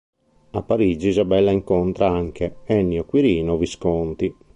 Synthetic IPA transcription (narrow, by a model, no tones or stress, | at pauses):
apːaɾid͡ʒizabɛlːaiŋkɔnt̪ɾaaŋkɛɛnːiɔkwiɾiːnɔviskɔnt̪i